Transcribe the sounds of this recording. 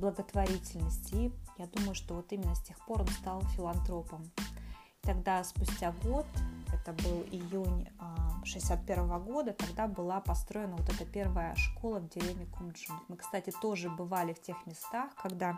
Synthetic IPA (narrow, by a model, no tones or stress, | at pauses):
blˠəɡət̪vɐɾʲitʲɪlʲnəsʲtʲijad̪uməjʊʂt̪o̞vo̞t̪imʲɪnːəsʲtʲexpo̞ɾo̞nst̪ɑlˠfʲɪlˠɐnt̪ɾo̞pəm | i̥t̪ɐɡd̪aspʊsʲtʲaɡo̞t̪ɛt̪əbɨlˠɪjunʲʂɨɪsʲat̪̚pʲe̞ɾvəvəɡo̞d̪ət̪ɐɡd̪abɨlˠapɐst̪ɾo̞jɪnəvo̞t̪ɛt̪əpʲe̞rvəjəʂko̞lˠəvdʲɪɾʲevnʲɪɪkʊmʐɨmt̪mɨkst̪atʲɪt̪o̞ʐɨbɨvalʲɪftʲe̞xmʲɪst̪axkɐɡd̪a